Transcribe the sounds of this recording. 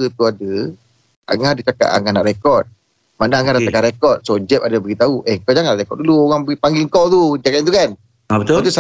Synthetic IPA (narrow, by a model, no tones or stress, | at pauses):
ət̪uadə | a̰ŋadit͡ʃaka̰ʔ̪a̰ŋanaʔrekɔrt̪̚ | manaaŋadat̪akaɾekɔt̪̚sod͡ʒɛp̚adabəɡit̪auʔɛŋkɔd͡ʒaŋanlaɾekɔt̚duluoɣaŋbəɡipaŋɡiŋkɔwt̪ud͡ʒɛkɛnt̪ukan | abət̪ot̪usa